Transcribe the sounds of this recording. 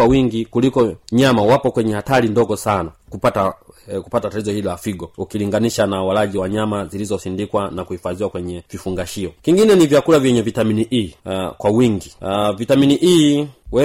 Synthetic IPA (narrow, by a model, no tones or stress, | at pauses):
awiŋɡikulikɔɲamawapɔkwɛɲɛhataɾindɔɡɔsanakupatakupatatatizɔhililafiɡɔukiliŋɡaniʃanawalaʄiwaɲamazilizɔsindikwanakuhifaziwakwɛɲɛvifuŋɡaʃiɔkiŋɡinɛnivjakulavjɛɲɛvitaminiʔikwawiŋɡivitaminiʔiwɛ